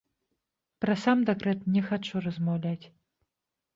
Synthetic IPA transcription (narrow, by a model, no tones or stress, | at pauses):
pɾɐsamd̪ɛkɾɛt̪nʲɛxat͡ʂurɐzmawlʲat͡sʲ